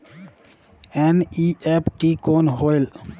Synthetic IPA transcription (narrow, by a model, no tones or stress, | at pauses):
eniepʈikoːnɦoɪl